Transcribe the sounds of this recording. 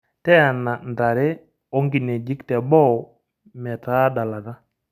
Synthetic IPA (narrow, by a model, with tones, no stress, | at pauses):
tɛ˦a˨na˨nda˨ɾɛ˦ | ɔ˦ŋɡi˨ne˨d͡ʒi˦ktɛ˨bɔ˦˨ | mɛ˨ta˦da˨la˨ta˦